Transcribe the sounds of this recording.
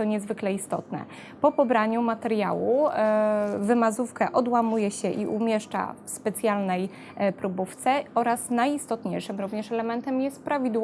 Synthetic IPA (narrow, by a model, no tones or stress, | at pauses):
t̪ɔɲɛzvɘklɛist̪ɔ̰t̪nɛ̰ | pɔpɔbɾaɲumat̪ɛɾja̰wu | vɘmazufkɛʔɔd̪wamujɛɕɛʔiʔumʲjɛʂt͡ʂa̰fspɛt̪sʲjalnɛj | pɾubuft̪sɛɔɾasnajist̪ɔt̪ɲejʂɘmɾuvɲɛʂɛlɛmɛnt̪ɛmjɛst̪̚pɾavʲid̪w